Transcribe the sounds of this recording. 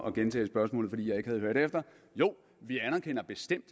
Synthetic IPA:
ɒ̽ɡ̥ent͡sʰɛ̰ːsb̥ɶɐsmɔ̰ːlð̩ˠfɒ̽dḭːjɑ̈ɪe̝ɡ̥hæð̞̩ˠɦøɐd̥eefd̥ɐ | jo̝̰ː | ʋiænɐkʰen̰ɐb̥e̝sd̥em̰d̥

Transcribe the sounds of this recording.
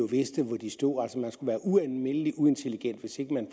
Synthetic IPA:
o̝ʋe̝sd̥əʋɒd̥isd̥o̝̰ːæl̰səmænsɡ̥uʋæːɐʔuænlme̝n̰əliʔue̝nt͡sʰe̝liɡ̥en̰d̥ʋe̝se̝ɡ̥əmæn

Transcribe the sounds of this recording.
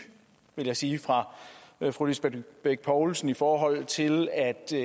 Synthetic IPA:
ʋe̝ljɑ̈ɪsiːfʁɑ̈fʁulesb̥eb̥eɡ̥̚pʰɒʊlsn̩ifɒːɦɒ̽l̰t͡sʰe̝læd̥

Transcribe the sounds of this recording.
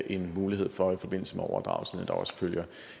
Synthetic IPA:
ʔe̝nmuːlihe̝ð̞̰ˠfɒ̽ifɒ̽b̥e̝n̰l̩səmeɒʊ̰ɐd̥ʁɑ̈ʊsḭn̩ed̥ɒʊsføl̰jɐ

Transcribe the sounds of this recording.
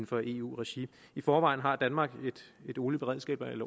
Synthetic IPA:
n̩fɒ̽ʔe̝̰ṵːʁɛɕi | ifɒːʋɑ̈ɪ̰n̩ɦɑ̈d̥ænmɑ̈ːɡ̥e̝d̥e̝d̥o̝ːlib̥e̝ʁɛð̰ˠsɡ̥ɛ̰ːb̥ɐelɐ

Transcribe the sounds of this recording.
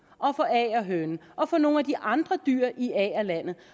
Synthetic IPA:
ʔɒ̽fɒ̽ɛ̰ːɒɦønʔɒ̽fɒ̽no̝ːnæd̥iʔɑ̈nd̥ʁɐd̥y̰ɐ̰ʔiɛːælæn̰ð̩ˠ

